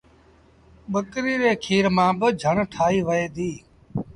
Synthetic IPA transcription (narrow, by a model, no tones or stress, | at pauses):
ɓəkɾiːɾeːkʰiːɾmãːbəd͡ʒʱəɳʈʰaːiːʋəeːd̪iː